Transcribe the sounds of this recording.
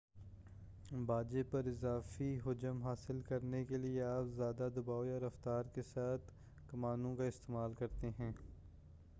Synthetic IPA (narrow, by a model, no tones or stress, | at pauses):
baːd͡ʒepɐɾɪzaːfiɦʊd͡ʒəmɦaːsɪlkɐɾnekelieaːpzjaːd̪ad̪ɐbaːojaɾɐft̪aːɾkesaːt̪ʰ | kɐmaːnõkaɪst̪eːmaːlkɐɾt̪eɦɛ̃ː